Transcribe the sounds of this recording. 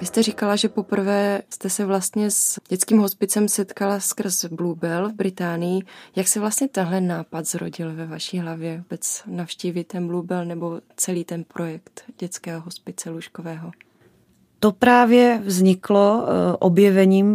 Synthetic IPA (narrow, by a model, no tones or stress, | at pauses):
vɪst̪ɛrikalaʒɛpo̞pr̩vɛːst̪ɛsɛvlast̪ɲɛsɟ̥ɛt͡skiːmɦo̞spɪt͡sɛmsɛt̪kalaskr̩sblubɛlvbɾɪt̪aːnɪjɪjaksɛvlast̪ɲɛt̪ɛnɦlɛnaːpad̪zɾo̰ɟɪlvɛvaʃiːɦlavjɛvobɛt͡snafʃciːvɪt̪ɛnblubɛlnɛbo̞t͡sɛliːt̪ɛnpɾʔo̞jɛkt̪ɟɛt͡skɛːɦoɦospɪt͡sɛluʃkovɛːɦo̞ | t̪opɾaːvjɛvzɲɪkloʔobjɛvɛɲiːm